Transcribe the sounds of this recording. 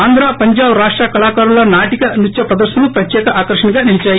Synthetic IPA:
aːnd̪ʱɾaːpɐɲd͡ʒaːbɾaːʂʈɾakɐlaːkaːɾulɐnaːʈikɐnut͡ʃːjɐpɾɐd̪ɐɾʃɐnɐnupɾɐtjɛːkɐʔaːkɐɾʂɐɳiɡaːniɭit͡ʃaːji

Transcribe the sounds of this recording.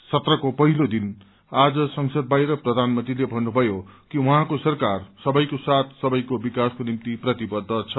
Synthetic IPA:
sʌt̪rʌkopʌɦilod̪in | ad͡zʌsʌŋsʌd̪̚bajɾʌprʌd̪ʱanmʌnt̪rilebʱʌnːubʱʌjokiuɦãkosʌrkarsʌbʌjkosat̪ʰsʌbʌjkobikaskonimt̪iprʌt̪ibʌd̪ʱːʌt͡sʰʌ

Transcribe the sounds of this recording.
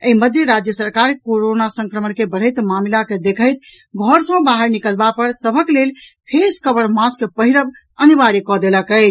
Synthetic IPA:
əiməd̪ʱjeɾad͡ʒjəsəɾkaɾkoɾonasə̃ŋkɾəmənkebəɽ̤əjt̪mamlaked̪ekʰəɪt̪̚ | ɡʱɔɾsə̃baɦəɾnikəlbapəɾsəbʱəklelpʰeskəbəɾmãskepəɦiɾəb | əniʋaɾikɔd̪eləkəɪt͡ʃʰ

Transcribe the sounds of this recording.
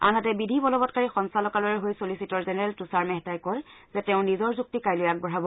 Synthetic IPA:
a̰nɦatɛbidʱibɔlɔbɔt̚kaɹixɔnsalɔkalɔɹɛɦojsolisitɔɹzɛnɛɹɛltusaɹmɛɦɛtajkɔɹz̥ɛtɛʊ̃nizɔɹzuk̚tikajlʊjak̚bɔɹabɔ

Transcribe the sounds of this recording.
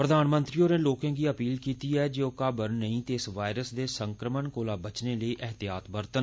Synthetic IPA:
pɾəd̪ʱaːnmə̃nt̪ɾiːoːneːloːkãːɡiːəpiːlkiːt̪iːɛːd͡ʒeːokaːbəɾnəɦĩːt̪eɪsʋaːɪɾəsd̪eːsə̃ŋkɾəməɳkoːlaːbət͡ʃneːləiːʔəɦt̪ijaːt̪bəɾt̪ən

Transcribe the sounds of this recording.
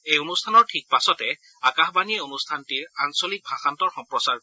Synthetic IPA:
ejonustʰanɔɹtʰik̚pasɔtɛ | akaxbaniɛonustʰantiɹansolik̚bʱaxantɔɹxɔmpɹɔsaɹ

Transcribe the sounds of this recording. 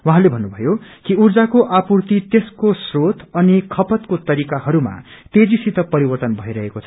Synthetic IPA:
wuɦãlebʱʌnːubʱʌjokiurd͡zakoʔapurt̪it̪eskosrot̪ʌnikʰʌpʌt̪kot̪ʌɾikahʌɾuma̰t̪ed͡zisit̪ʌpʌɾibʌrt̪ʌnbʱʌiɾʌɦekot͡sʰʌ̥

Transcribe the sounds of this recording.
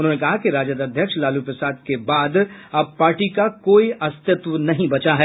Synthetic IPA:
ʊnɦõːnekɐɦakiɾaːd͡ʒəd̪ɐd̪ʱjəkʃlaːlupɾɪsaːd̪̚kebaːd̪ɐb̚paːɾʈikakoːiʔɐst̪ɪt̪ʋənɐɦĩbɐt͡ʃaɦɛː

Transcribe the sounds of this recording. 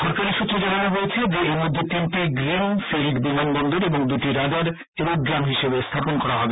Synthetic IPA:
ʃɔɾkaɾiʃut̪ːɾed͡ʑananoɦojet͡ɕʰed͡ʑeeɾmod̪ʱːet̪inʈiɡɾemfeɾikbimanbɔnd̪oɾeboŋd̪uʈiɾad̪aɾ | eboŋɡɾamɦiʃebest̪ʰaponkɔɾaɦɔbe

